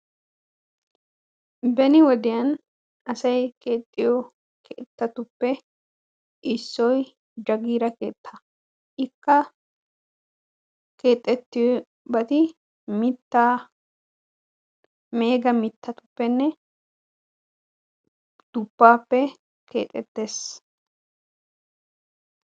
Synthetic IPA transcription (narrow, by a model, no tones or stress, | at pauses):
bɛnɪwɔd̪ɪjɐn | ʔɐsɐjke̞ːt̪ʼːɪjɔ | kʰeːt̪ːɐt̪ʊpːɛ | ʔɪsːɔj | d͡ʒɐɡiːɾɐke̞̰ːt̪ʰːɐ | ʔɪkːɐ | ke̞ːt̪ʼːɛt̪ːɪjɔ | bɐt̪ɪ | mɪt̪ːaː | me̞ːɡɐmɪt̪ːɐt̪ʊ̥pːɛnːɛ | d̪̥ʊpːaːpːɛ | ke̞̰ːt̪ʼːɛt̪ːe̞ːs